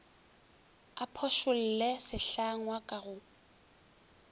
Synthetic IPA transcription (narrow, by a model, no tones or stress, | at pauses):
apʰɔʃʊl̩lɛsɪɬaŋwakʼaɣʊ